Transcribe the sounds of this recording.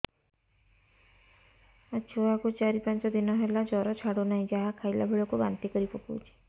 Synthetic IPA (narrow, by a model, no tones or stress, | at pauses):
at͡ʃʰoakot͡ʃaɾipãnt͡ʃɔd̪inɔɦelad͡ʒɔɾɔt͡ʃʰaɽonaɦĩd͡ʒaɦakʰajlabʱeɭɔkuba̰nt̪ikɔɾipɔkṵt͡ʃʰi̥